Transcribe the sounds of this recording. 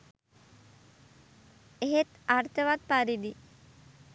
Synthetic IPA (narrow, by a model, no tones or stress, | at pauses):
eɦet̪aɾt̪əʋat̪̚paɾid̪i